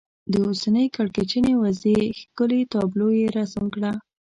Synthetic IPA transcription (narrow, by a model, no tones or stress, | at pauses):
d̪əosanəjkaɽket͡ʃənewazexkəlet̪ɑblojeɾasamkɽa